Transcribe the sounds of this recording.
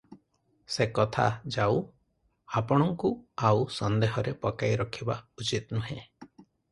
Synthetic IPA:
sekɔt̪ʰa̰d͡ʒaw | apɔɽ̃ɔŋkuawsɔnd̪eɦɔɾepɔkajɾɔkʰibaut͡ʃit̪nuɦẽ

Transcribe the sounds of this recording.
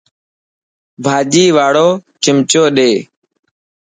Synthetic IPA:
bʱaːd͡ʒiːʋaːɽoːt͡ʃɪmt͡ʃoːɗeː

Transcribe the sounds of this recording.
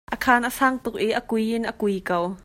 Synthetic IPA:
ʔəkʰaːnʔəsaːŋt̪ʊk̚ʔiʔəkujʔɪnʔəkujkɐw

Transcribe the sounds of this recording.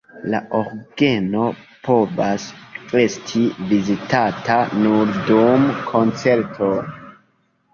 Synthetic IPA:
laʔoɾɡe̞no̞ | pʰo̞vaske̞stʰivizitatʰanuɾdumkʰo̞nt͡se̞ɾtʰo

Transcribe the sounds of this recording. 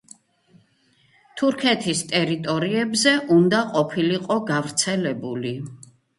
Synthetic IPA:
t̪ʰuɾkʰɛt̪ʰist̪ʼɛɾit̪ʼɔɾiɛbzɛʔund̪aqʼɔpʰiliqʼɔɡavɾt̪sʰɛlɛbuli

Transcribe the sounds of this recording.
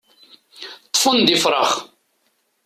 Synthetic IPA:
t̪ˤːfənd̪ifɾˤɑ̰χ

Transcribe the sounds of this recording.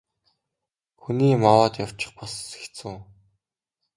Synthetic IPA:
xuniːmawaːt̪jaw̥t͡ɕɪ̆χpɔsse̥xt̪t͡sɘ̆ŋ

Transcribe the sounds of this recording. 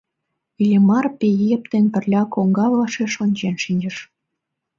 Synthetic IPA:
ilʲemɑrpejep̚t̪enpə̆rlʲɑkoŋɡɑβlɑʃeʃonʲt͡ɕenʃinʲd͡ʑə̆ʃ

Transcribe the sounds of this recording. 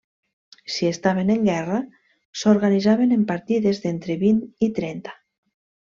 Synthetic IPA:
siest̪aβ̞eneŋɡɛra | soɾɣanizaβenempaɾt̪iðezðent̪ɾeβinit̪ɾɛnt̪ḁ

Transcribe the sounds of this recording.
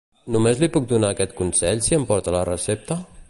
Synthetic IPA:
numezlipuk̚d̪unaːkɛt̪kunsɛʎsiəmpɔɾt̪ələrəsep̚t̪ə

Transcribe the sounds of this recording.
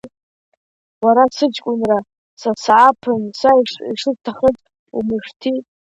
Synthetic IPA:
waɾasɨd͡ʒkʷʼʊnra | sasʕapʰɨnsaiʂiʂɨztʰaχət͡sʼ | ṵmɨʂtʰi

